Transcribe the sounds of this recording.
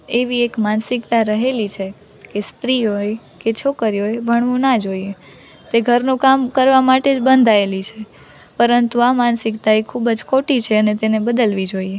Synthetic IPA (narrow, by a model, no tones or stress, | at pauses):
eʋiekmansɪkt̪aɾəɦelit͡ʃʰe | kest̪ɾiɦoj | ket͡ʃʰokəɾiɦojbʱəɳ̃ʋũnad͡ʒoie | t̪eɡʱəɾnũkamkəɾʋamaʈed͡ʒbənd̪ʱaelit͡ʃʰe | pəɾənt̪uamansɪkt̪aikʰubəd͡ʒkʰoʈit͡ʃʰeənet̪enebəd̪əlʋid͡ʒoie